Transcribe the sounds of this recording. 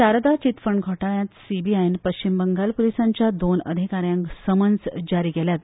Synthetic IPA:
saɾəd̪at͡ɕit̪fəɳɡʱɔʈaɭjãt̪sibiajnpəɕt͡ɕimbəŋɡalpulisaɲt͡ɕjad̪onə̰d̪ʱikaɾjãŋksəmənd͡zd͡ʑaɾiːɡɛljat̪

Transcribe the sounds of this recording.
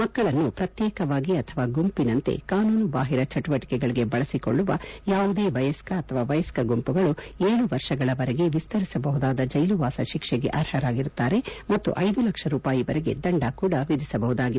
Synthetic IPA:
mɐkːɐɭɐnːupɾɐt̪jɛːkɐʋaːɡiɐt̪ʰɐʋaːɡumpinɐnt̪ḛkaːnuːnubaːɦiɾɐt͡ʃɐʈuʋɐʈi̥kɛɡɐɭiɡe̞bɐɭɐsiko̞̰ɭːuʋɐjaːʋud̪eːʋɐjɐskɐɐt̪ʰɐʋaːʋɐjɐskɐɡumpuɡɐɭueːɭuʋɐɾʂɐɡɐɭɐʋɐɾɛɡe̞ʋist̪ɐɾisɐbɐɦud̪aːd̪ɐd͡ʒɐjluʋaːsɐʃikʂɛɡe̞̰ʔɐɾhɐɾaːɡiɾut̪ːaːɾe̞mɐt̪ːṵʔɐjd̪ulɐkʂɐɾuːpaːjiʋɐɾɛɡe̞̰d̪ɐɳɖaːkuːɽɐʋid̪isɐbɐɦud̪aːɡi

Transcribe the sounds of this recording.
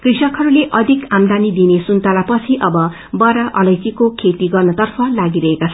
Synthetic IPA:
krisʌkɦʌɾuleʔʌd̪ʱikamd̪anid̪inesunt̪alapʌt͡sʰiʔʌbʌ | bʌɾaʔʌlʌjt͡sikokʰet̪iɡʌrnʌt̪ʌrpʰʌlaɡiɾʌɦekat͡sʰʌ

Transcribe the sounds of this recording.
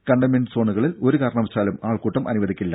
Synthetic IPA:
kɐɳɖɐmeɳɖso̞ːɳuɣɐɭilo̞ɾukaːɾɐɳɐʋɐt͡ɕːaːlumaːɭkuːʈːɐmʔɐ̰nuʋɐðikʲːilːɐ̰

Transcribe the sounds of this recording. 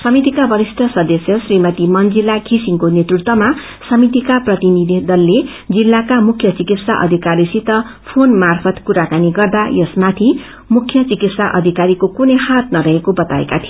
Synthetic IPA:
sʌmit̪ikabʱʌɾisʈ̪ʰʌsʌd̪ʌsjʌsrimʌt̪imʌnd͡zilːakʰisiŋkonet̪rut̪wʌma | sʌmit̪ikaprʌt̪inid̪ʱid̪ʌlːe | d͡zilːakamukʰːjʌt͡sikit̪saʔʌ̰d̪ʱikaɾisit̪ʌ | pʰonmarpʰʌt̪kuɾakaniɡʌrd̪ajʌsmat̪ʰi | mukʰːjʌt͡sikit̪saʔʌ̰d̪ʱikaɾikokunʌjhat̪nʌɾʌɦekobʌt̪aḛkat̪ʰijo

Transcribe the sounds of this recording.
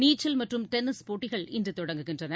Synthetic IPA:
niːt͡ʃːɐlmɐʈrɯmʈɛnɪspoːʈːɪɣɐɭɪndrɯt̪ɔɽɐŋɡɯɣɪndrɐnɐ

